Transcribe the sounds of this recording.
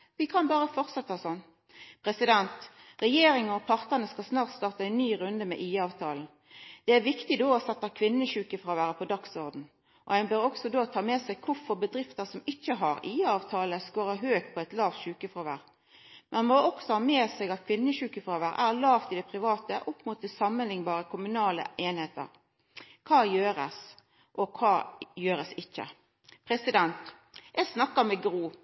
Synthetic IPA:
ʋɪkʰɑnbɑːʁəfɔʁt̪sɛt̪ːəhɑsɔnː | pʰʁɛsɪd̪ɛnt̪ | ʁɛjeːɾɪŋəɔpʰɑʁt̪əʁnəskɑlsnɑːʁt̪st̪ɑːʁt̪əæɪnnːyːɾʉnd̪əmɛ̰ʔiːɑːʋt̪ʰɑːln̩ | d̪̥ɛæɾʋɪkt̪ɪd̪oːɔsɛt̪ːɑkʰʋɪnːəʃʉːkəfʁoːʋæːɾəpʰɔd̪ɑksɔʁd̪n̩ | ʔɔ̰æɪbøːɾɔksɔd̪oːt̪ʰɑːmeːsɛɡ̚kʰʊɾfɔʁbəd̪ɾɪft̪əsɔmɪçːəɦɑɾiːɑːʋt̪ʰɑːləskoːɾəɦøːkpʰɔɛt̪lɑːʋt̪ʃʉːkəfʁoːʋæ̰ːʁ | mɛnmoɔksɔhɑːmeːsɛɡɑt̪̚kʰʋɪnːəʃʉːkəfʁoːʋæɾæʁlɑːʋt̪ɪd̪ɛpʰɾɪʋɑːt̪əʔɔpːmuːt̪d̪əsɑmːənlɪŋbɑːɾəkʰʊmʉnɑːlə̰ʔeːnheːt̪ə̰ɾ | kʰɑːjøːɾə̰s | ʔɔkʰɑːjøːɾəsɪçːə̰ | pʰɾɛsɪd̪ɛnt̪ | jɛɡsnɑkːəɾmɛɡɾuː

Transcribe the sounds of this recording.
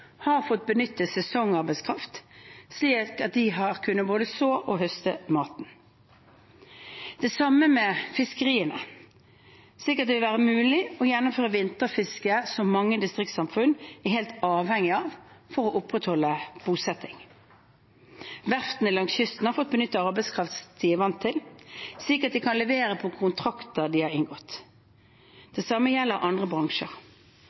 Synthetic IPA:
hɑʁfɔt̪̚bənʏt̪ːəsɛsɔŋɑʁbæɪskʰʁɑft̪sliːkɑt̪̚d̪ɪɦɑʁkʰʉnːəboːd̪əsoːʔɔɦœst̪əmɑːt̪n | d̪̥ɛsɑmːəmɛfɪskəʁiːənə | sliːkəɑt̪d̪ɛʋɪlʋæːʁəmʉːlɪɔjɛnːʊmføːʁəʋɪnt̪əʁfɪskəsɔmːɑŋːəd̪ɪst̪ʁɪk̚t̪sɑmfʉnɛɦeːlt̪ɑːʋhɛŋːɪɑːʋfɔʁɔʔʊpːʁɛt̪hɔlːəb̥uːsɛt̪ːɪŋ | ʋæʁft̪nəlɑŋsʏst̪n̩hɑɾfɔt̪̚bənʏt̪ːəɑʁbæɪskʰʁɑft̪st̪ʰiːʋɑnt̪ʰːɪlsɪːkəʁt̪̚d̪ɪkʰɑnlɛʋeːʁəpʰɔkʰʊnt̪ʰʁɑkt̪əʁd̪ɪhɑʁɪnɡɔt̪ː | d̪̥ɛsɑməjɛlːəɾʔɑnd̪ʁəbʁɑŋʃəʁ

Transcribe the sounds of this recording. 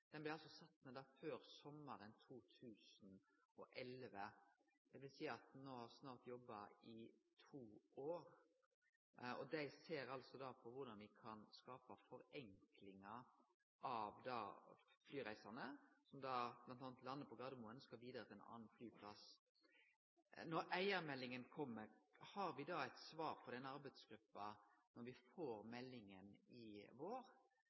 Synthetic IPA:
d̪̥ɛnblɪɾɑlsɔsɑt̪ːmɛd̪ɑːføːɾsɔmːəɾənt̪ʰuːt̪ʰʉːsənɔʔɛlʋəd̪̥ɛʋɪlsiːɑt̪noːhɑʁsnɑːʁt̪jɔbːɑɪt̪ʰuːoːɾ | ɔd̪æɪseːɾɑlsɔd̪ɑpʰɔʋʊʁd̪ɑnʋɪkʰɑnskɑːpɑfɔɾɛŋklɪŋɑ | ʔɑʋd̪ɑ̰ːflyːɾæɪsɑnəsɔmd̪ɑːb̥lɑnt̪ɑːnt̪lɑnːəpʰɔɡɑd̪muːənəskɑlʋiːd̪əɾət̪ʰɪɛnɑ̰ːnnflyːpʰlɑs | nɔɾæɪəɾmɛlːɪŋənkʰɔmːəɾhɑɾʋɪd̪ɑæɪt̪sʋɑːɾfʰɔd̪ɛnːəɑɾbæɪd̪sɡ̥ɾʉpːɑnɔɾʋɪfoːɾmɛlːɪŋənɪʋoːɾ

